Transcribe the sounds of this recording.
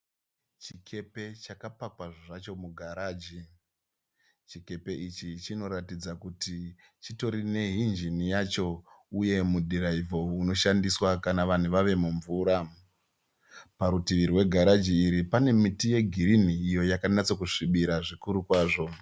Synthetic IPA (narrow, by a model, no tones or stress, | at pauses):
t͡ʃikʰe̞pe̞t͡ʃakapakwaʐoʐat͡ʃo̞muɡʱaɾaːd͡ʒi | t͡ʃike̞pe̞ʔit͡ʃit͡ʃino̞ɾatid͡zakuti | t͡ʃito̞ɾine̞ɦind͡ʒinijat͡ʃo̞ | uje̞mudʱiɾaivo̞uno̞ʃandiswakanaʋan̤uʋaʋe̞muɱvuːɾa | paɾutiʋiɾiwe̞ɡʱaɾad͡ʒiːɾipane̞mitije̞ɡʱiɾiniːjo̞jakanat͡sokuʂiɓiɾaʐikuɾukwaːʐo̞